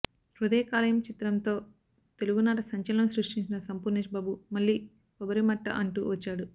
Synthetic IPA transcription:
ɾud̪ɐjɐkaːlɐjɐmt͡ʃit̪ɾɐmt̪o̞ː | t̪e̞luɡunaːʈɐsɐɲt͡ʃɐlɐnɐmsɾuʂʈiɲt͡ʃinɐsɐmpuːɾneːʃbaːbumɐɭːiː | kɔbɐɾimɐʈːɐ̰ʔɐɳʈṵʋɐt͡ʃːaːɽu

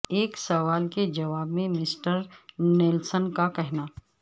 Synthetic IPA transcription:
eːksɐʋaːlked͡ʒɐʋaːbmẽmɪsʈəɾneːlsənkakɛɦnaː

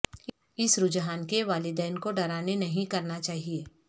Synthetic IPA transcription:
ɪsɾʊd͡ʒɦaːnkeʋaːlɪd̪ɛːnkoɖɐɾaːnenɐɦĩkɐɾnat͡ʃaːɦieː

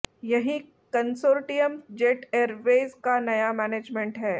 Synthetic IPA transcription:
jɐɦĩ | kɐnsoːɾʈijəmd͡ʒeːʈeːɾʋeːzkanɐjamɛːneːd͡ʒmẽɳʈɦɛː

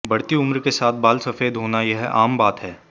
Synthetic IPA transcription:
bɐɽt̪iʊmɾkesaːt̪̚ʰbaːlsɐfeːd̪ɦoːnajɐɦɛʔaːmbaːt̪ɦɛː

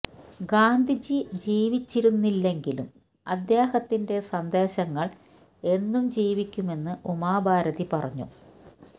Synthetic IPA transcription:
ɡaːnd̪ʱid͡ʑid͡ʑiːʋit͡ɕːiɾunːilːe̞ŋɡilṵm | ɐd̪jeːhɐt̪ːinde̞sɐnd̪e̞ːɕɐŋːɐɭ | e̞nːumd͡ʑiːʋikʲːume̞nːɨʔumaːbʱaːɾɐðipɐrɐ̰ɲːṵ

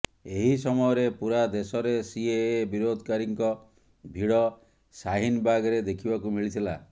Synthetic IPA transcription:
eɦisɔmɔjɔɾepuɾad̪esɔɾesiebiɾod̪ʱɔkaɾiŋkɔ | bʱiɽɔ | saɦinbaɡɔɾed̪ekʰibakumiɭit̪ʰila

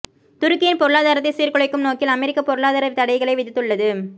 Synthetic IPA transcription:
t̪ʊɾɯkːɪjɪnpɔɾɯɭaːðaːɾɐt̪ːɪsiːɾkɔɭɐɪkːɯmnoːkɪlɐmɛɾɪkːɐpɔɾɯɭaːðaːɾɐt̪ɐɽɐɪɣɐɭɐɪʋɪðɪt̪ːɯɭːɐðɯ

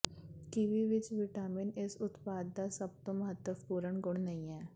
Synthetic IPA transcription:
kiʋiʋɪt͡ʃʋɪʈaːmɪnɪsʊt̪paːd̪ːasɐb̚t̪omɐɦət̪ːəpuːɾəɳɡʊɽ̃nɐɦĩɦɛː

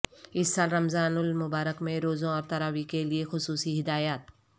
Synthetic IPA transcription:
ɪsːaːlɾɐmzaːnʊlmʊbaːɾəkmẽɾoːzõɔːɾt̪ɐɾaːwikeliexʊsuːsiɦɪd̪aːjaːt̪̚

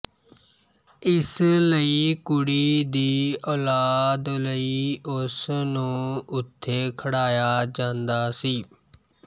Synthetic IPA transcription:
ɪsləiːkʊɽiːd̪iːɔːlaːd̪ləiːʊsnũːʊt̪ʰːeːkʰəɽaːjaːd͡ʒãːnd̪aːsiː

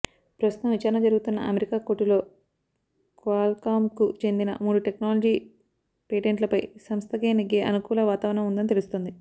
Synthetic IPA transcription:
pɾɐst̪ut̪ɐmʋit͡ʃaːɾɐnɐd͡ʒɐɾuɡut̪unːɐ̰ʔɐmeɾikaːkoʈːilo̞ː | kaːlkaːmkut͡ʃe̞nd̪inɐ̰muːɽuʈe̞knaːlod͡ʒiː | peːʈeɳʈlɐpɐjsɐmst̪ʰɐkeːniɡːeːʔɐnukuːlɐʋaːt̪aːʋɾɐɳɐmund̪ɐnit̪e̞lust̪ond̪i

